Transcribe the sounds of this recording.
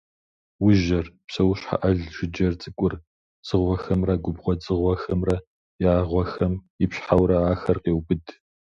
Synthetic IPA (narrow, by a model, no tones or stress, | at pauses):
wʊʒɐrpsɐwɕħa̰ʔɐɮʒɪd͡ʒɐrt͡sʼɨkʷʼʊr | t͡sʼɨʁʷɔxɐmrɐɡʷʊbʁʷɔt͡sʼɨʁʷɔxɐmrɐ | jaːʁʷɔxɐm | ɪpɕħawɾɐaːxɐrqeːwbɨd